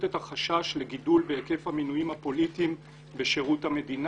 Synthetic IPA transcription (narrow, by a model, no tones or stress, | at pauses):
tethaχaʃaʃleɡidulbeeke̞fhaminujimhapo̞litim | beʃeʁuthame̞din